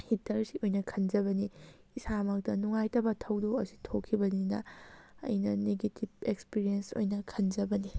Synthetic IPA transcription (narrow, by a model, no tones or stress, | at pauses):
hitʰɐɾsiʔojnɐkʰɐnd͡ʒɐβɐni | isamɐk̚tɐnuŋajtɐbɐtʰɐwdoɐsi̥tʰokʰːibɐninɐ̰ɐ̰jnɐneɡetib̚ekspiɾienso̰jnɐkʰɐnd͡ʒɐbɐni